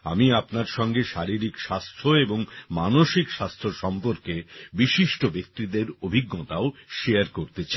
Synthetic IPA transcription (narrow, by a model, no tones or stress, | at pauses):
a̰miapnaɾʃɔŋɡeʃaɾiɾikʃast̪ʰoeboŋmanoʃikʃast̪ʰoʃɔmpoɾkebiʃiʃʈobek̚t̪id̪eɾobʱiɡːot̪aoʃeaɾkoɾt̪et͡ɕʰa